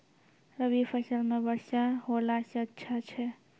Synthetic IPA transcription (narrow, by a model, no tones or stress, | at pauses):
ɾəbipʰəsəlmebəɽsaɦolaseətːʃʰat͡ʃʰɛ